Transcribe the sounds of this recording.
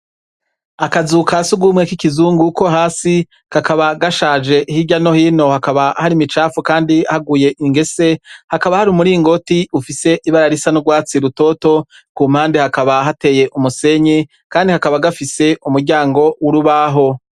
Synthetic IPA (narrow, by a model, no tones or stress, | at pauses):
akazukasuɡumŋekikizuːŋɡuko̞ɦaːsi | kakaβaɡaʃaːd͡ʒe̞ʔhiɟano̞hiːno̞hakaβahaɾimit͡ʃaːfukaːndiahaɡuje̞ʔiŋɡe̞se̞hakaβahaɾumuɾiŋɡo̞tiufise̞ʔiβaɾaɾisanuɡwaːt͡siɾuto̞to̞ | kuːm̥haːndehakaβaɦate̞ːje̞ʔumuse̞ɲe | kaːndihakaβaɡafise̞umuɾɟaːŋɡo̞wuɾuβaɦo̞